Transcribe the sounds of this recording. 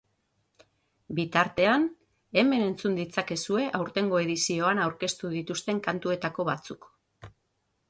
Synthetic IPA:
bit̪aɾt̪e̞an | e̞me̞ne̞nt͡sund̪it͡sake̞sue̞ʔawɾt̪e̞ŋɡo̞e̞ðisio̞anawɾke̞st̪uðit̪ust̪e̞ŋkant̪ue̞t̪ako̞βat͡suk

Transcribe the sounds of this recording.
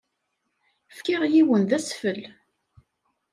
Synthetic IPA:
fkɪʁjiwənðæsfəl

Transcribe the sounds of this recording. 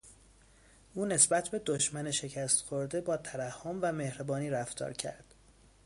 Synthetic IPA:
ʔuːne̞sbæt̪ʰbe̞d̪oʃmæneʃe̞cʰæst̪xoɾd̪e̞bɒːt̪ʰæɾæhːomvæme̞hɾbɒːniːɾæft̪ʰɒ̰ːɾcʰæ̰ɾd̪̥

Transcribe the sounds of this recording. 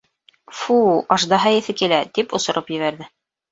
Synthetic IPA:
fuɑʃd̪ɑɦɑjɘ̆θɘkilæt̪ipŏsŏɾɤpjɘ̆βæɾðɘ

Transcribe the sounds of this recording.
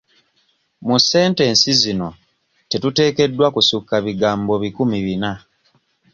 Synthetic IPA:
muse̞ːnte̞ːnsizino̞ | tetute̞ːke̞dːwakusukːaβiɡaːmbo̞βikumiβina

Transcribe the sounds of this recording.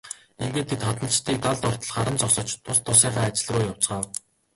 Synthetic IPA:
eŋɡĕːnt̪ʰet̪χat̪ə̆nə̆ɬt͡ɕt̪ʰiːk̚t̪aɮt̪ɔr̥t̪ɞ̆ɮχaɾə̆nt͡sɔχsɞ̆t͡ɕt̪ʰʊst̪ʰːʊsiːɴχaːt͡ɕɪ̆ɮrʊːjaw̥t͡sɢaːw

